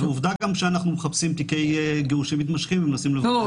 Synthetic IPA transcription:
veuvd̪aɡamʃeanaχnumeχapsimt̪ike̞jɡeuʃimit̪maʃχimemnasimlevo

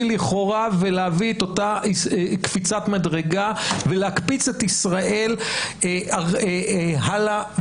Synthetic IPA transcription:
liχoʁaveleaviet̪otaikfit͡satmadʁeɡaveleakpit͡set̪isʁaʔe̞l | a | ɦala

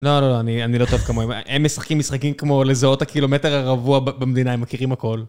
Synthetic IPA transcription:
lo̞lo̞loanianilo̞toevkamoememːesaχkimːisχakimkmo̞le̞zao̞thakilo̞meteʁaʁavuabemed̪inaemakiʁimako̞l

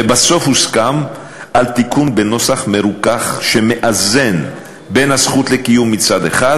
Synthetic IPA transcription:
baso̞fhuskam | ʔalt̪ikunbeno̞saχme̞ɾukaχʃemeʔaze̞n | benhasχut̪lekijumːit͡sad̪ḛχad

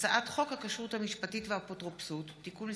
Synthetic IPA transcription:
t͡saʔatχo̞khakaʃʁuthamiʃpatitvehapotʁopsutːikun

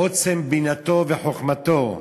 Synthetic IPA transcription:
ot͡sembinat̪oveħoχmat̪o

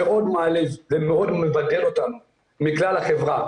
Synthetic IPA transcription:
eʔo̞d̪maːlizzemeo̞d̪me̞vade̞lo̞t̪anu | miklalhaχe̞vʁa

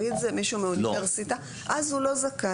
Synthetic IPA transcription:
idzemiʃumeod̪eʁsit̪a | ʔazhulo̞zaka

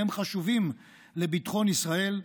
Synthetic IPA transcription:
emχaʃuvim | lebitχo̞nisʁae̞l

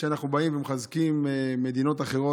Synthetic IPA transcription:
ʃeanaχnubaimvemχazkimeːe̞d̪ino̞taχe̞ʁo̞

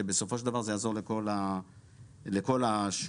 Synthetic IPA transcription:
ebeso̞fo̞ʃeld̪avaʁzejaːzo̞ʁleko̞la | leko̞laʃ

